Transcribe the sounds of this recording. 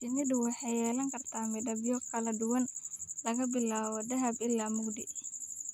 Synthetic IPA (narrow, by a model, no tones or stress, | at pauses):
t͡ʃɪmɪd̪ʊwɑħɑjɛːlɐŋkʰɐrt̪ʰaːmɪdɐbjɔkʰɐlɐd̪ʊwɐnlɐɣɐbɪlaːwɔd̪ɐɦɐbɪlːaːmʊɡd̪ɪ